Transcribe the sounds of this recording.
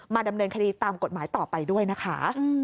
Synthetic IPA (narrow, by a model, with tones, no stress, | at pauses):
maː˧da˧mnɤː˧nkʰa˧diː˧t̪aː˧mko˨˩t̪̚maː˩˦jt̪ɔː˨˩pa˧jdu˥˩əjna˦˥kʰa˦˥˧